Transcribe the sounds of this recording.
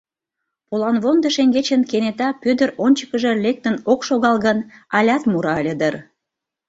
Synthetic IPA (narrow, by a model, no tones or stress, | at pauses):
polɑnβond̪əʃeŋɡet͡ɕənkenet̪ɑpød̪əɾonʲt͡ɕə̥kəʒĕlʲek̚t̪ə̆nokʃoɣɑlˠɣənɑlʲɑt̪muɾɑəlʲəd̪ər